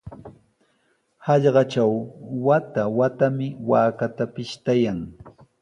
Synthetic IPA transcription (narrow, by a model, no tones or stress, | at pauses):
hɑʎɢɑt͡ʃawwat̪awat̪amɪwaːkat̪apɪʃt̪ajaŋ